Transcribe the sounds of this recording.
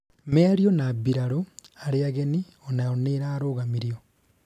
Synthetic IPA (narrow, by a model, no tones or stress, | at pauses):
meaɾiɔnaːbiɾaɾoaɾeaɣeni | ɔnaɔneɾaːɾoːɣamiɾio